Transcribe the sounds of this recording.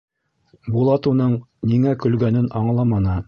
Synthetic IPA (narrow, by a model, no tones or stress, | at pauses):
bulˠɑt̪ɤ̆nɤɴniŋækɵ̆lɡænɘnɑɴlˠɑmɑnɤ